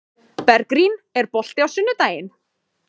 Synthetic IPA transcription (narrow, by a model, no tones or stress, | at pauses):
pɛɾkɾinɛɾpɔɬt̪ɪawsʏnːʏt̪aːjɪn